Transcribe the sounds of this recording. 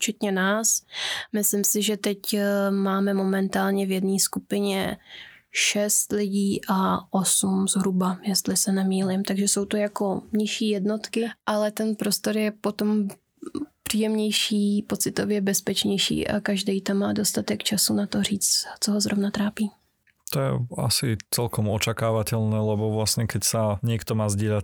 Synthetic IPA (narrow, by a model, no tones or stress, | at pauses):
t͡ʃɛt̪ɲɛnaːsmɪslɪmsɪʒɛt̪ɛcmaːmɛmo̞mɛnt̪aːlɲɛvjɛdniːskupɪɲɛ̰ | ʃɛst̪lɪɟiːʔaʔo̞sumzɦɾubajɛst̪lɪsɛnɛmiːlɪmt̪aɡʒɛso̞wt̪ojako̞mɲɪʃiːjɛdno̞t̪kɪʔalɛt̪ɛnpɾo̞st̪o̞ɾjɛpot̪om | pr̥iːjɛmɲɛjʃiːpot͡sɪt̪ovjɛbɛspɛt͡ʃɲɛjʃḭːʔa̰kaʒdɛjt̪amːaːdo̞st̪at̪ɛkt͡ʃasunat̪oriːt͡st̪t͡soɦozɾovnat̪ɾaːpiː | t̪ojɛ̰a̰sɪt͡sɛlkɔmɔt͡ʃakaːʋacɛlnɛlɛbɔvlasɲɛkɛcsaɲɪɛkt̪ɔmaːzɟɪɛla